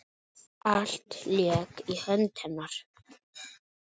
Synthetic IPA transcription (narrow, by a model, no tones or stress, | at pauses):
aɬtʰliakʰiħəntʰanar